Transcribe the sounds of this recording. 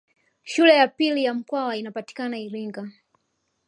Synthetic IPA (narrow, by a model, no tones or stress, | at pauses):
ʃulɛjapilijam̩kwawainapati̥kanaiɾiŋɡa